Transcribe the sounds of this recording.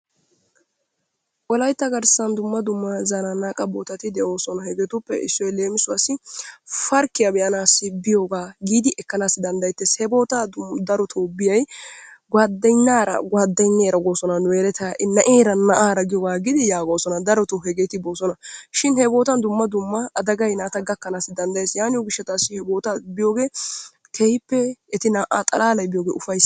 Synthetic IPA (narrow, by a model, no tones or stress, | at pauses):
ʔɔlɐjt̪ːɐɡɐɾsɐnd̪ʊmːɐd̪ʊmːɐzananaːkʼɐboːt̪ɐt̪ɪd̪ɛʔo̞ːsɔnɐhɛɡɛt̪ʊpːɛʔɪsːɔjɛle̞ːmɪsʊɐsɪfɐɾkːɪjɐbɛjɐnaːsɪbɪjoːɡaːɡiːd̪ɪʔɛkːɐnaːsːɪd̪ɐnd̪ɐjt̪ːɛshɛbo̞ːt̪aːd̪ɐɾɔt̪ʰoːbɪjɐjɡwaːd̪ːɐjnːaːɾɐ̰ɡwaːd̪ːɐjnːeːɾɐɡoːsɔnɐnʊeːɾɛt̪ɐʔɪnɐʔeːɾɐnɐʔaːɾɐɡɪjoːɡaːɡɪd̪ɪjaːɡoːsɔnɐd̪ɐɾɔt̪ɔhɛɡeːt̪ɪboːsɔnɐʃɪnhɛbo̞ːt̪ɐnd̪ʊmːɐd̪ʊmːɐʔɐd̪ɐɡɐjnaːt̪ɐɡɐkːɐnaːsːɪd̪ɐnd̪ɐjeːsjaːnɪjɔɡɪʃːɐt̪aːsːɪhɛbo̞ːt̪abɪjo̞ːɡe̞ː | kʰɛhɪpːɛɛt̪ɪnaːʔaːt̪ʼɐlaːlɐjbɪjoːɡeːʊfɐjs